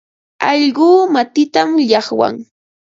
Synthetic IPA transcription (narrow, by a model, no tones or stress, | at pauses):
ɑʎɢuːmat̪ɪt̪amʎɑχwa̰ŋ